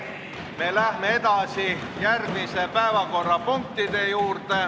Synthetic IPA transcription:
me̞læhmeet̪ɑsi | jærɡmisepæevɑko̞rːɑpuŋk̚t̪id̪ejuːrt̪e

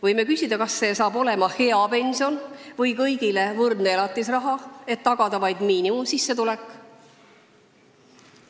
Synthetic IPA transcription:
vɤjme̞kysʲid̪ɑkɑsːe̞ːsɑːbo̞le̞mɑhe̞ɑpe̞nʲsio̞nvɤjkɤjɡ̥ile̞vɤrd̪nelɑt̪ˑːisrɑɦɑe̞t̪ːɑɡ̥ɑd̪̥ɑvɑjd̪miːnimusisːe̞t̪ulekːˑ

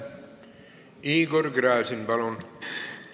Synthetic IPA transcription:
iːɡoɾɡɾæːsinbɑlon

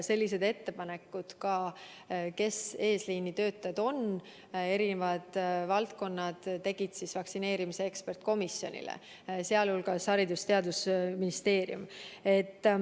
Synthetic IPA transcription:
se̞lːis̬e̞d̪̥e̞t̪ːe̞pɑne̞kːˑud̪̥kɑ | ke̞se̞ːsliːnːit̪ø̞ːt̪ːˑɑjɑd̪̥o̞n | e̞ɾinevɑd̪̥vɑlt̪̚ko̞nːɑd̪̥t̪ːe̞ɡ̥id̪̥sisvɑksine̞ːɾimiseekspe̞rt̪ko̞misjo̞nʲḭlḛ | seɑlulɡɑshɑɾid̪ust̪e̞ɑd̪usminist̪e̞ːɾijṵme̞t̪ː

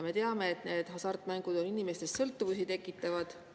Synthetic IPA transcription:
me̞t̪eɑme̞ːt̪ne̞ːd̪̥ɦɑsɑrt̪ːˑmæŋɡ̥ud̪̥o̞ninime̞st̪e̞st̪ːsɤlt̪ːˑuvusit̪e̞kːˑit̪ːˑɑvɑd̪̥

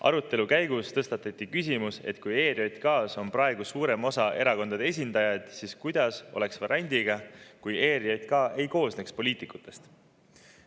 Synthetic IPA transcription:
ɑ̰ɾut̪ːˑe̞lukæjɡust̪ɤ̞st̪ɑt̪ːˑɑt̪ʲˑːikys̬ʲimuse̞̰t̪ˑkuje̞ːɾiojt̪kɑːso̞nprɑeɡ̥usuːɾe̞mo̞sɑʔe̞ɾɑko̞nd̪̥ɑd̪ees̬ʲind̪̥ɑjɑjd̪̥siskujd̪ɑso̞̰le̞ksvɑɾænʲd̪̥ʲiɡ̥ɑkuje̞ːɾiojt̪kɑe̞jko̞ːsnekspo̞liːt̪ˑikut̪ːˑe̞st̪

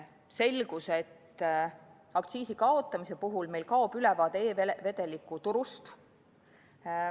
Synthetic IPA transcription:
se̞lɡ̥uset̪ː | ɑk̚t̪siːsikɑo̞t̪ːˑɑmise̞puɦulme̞jlkɑob̥ylɛvɑːd̪eeːeve̞d̪elikːˑut̪uɾust̪

